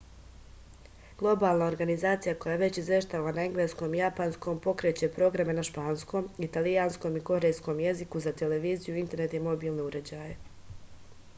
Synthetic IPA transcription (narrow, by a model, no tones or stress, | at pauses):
ɡ̥lˠo̞baːlˠnao̞ɾɡanizaːt̪sijako̞jaʋe̞t͡ɕizʋje̞ʃt̪aʋanaeŋɡleːsko̞ːmijapansko̞mpo̞kɾet͡ɕe̞pɾo̞ɡɾame̞naʃpaːnsko̞ːmit̪alijansko̞miko̞ɾe̞jsko̞mje̞zikuzat̪e̞le̞ʋiːzijuint̪e̞ɾnet̪imo̞biːlˠne̞uɾed͡ʑaːje